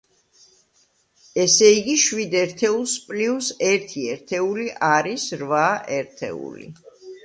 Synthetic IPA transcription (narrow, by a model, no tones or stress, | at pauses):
ɛsɛiɡiʃwid̪ɛɾt̪ʰɛulˠspʼliusɛɾt̪ʰiɛɾt̪ʰɛuliʔaɾisɾvaʔɛɾt̪ʰɛ̰ṵlḭ